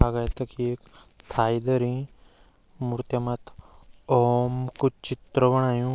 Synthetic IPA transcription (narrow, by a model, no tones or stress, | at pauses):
aɡajt̪ɐkiek | t̪ʰaːid̪əɾĩ | muɾt̪jɐmat̪ʰɔːmkut͡ʃit̪ɾəbəɽ̃aːjũ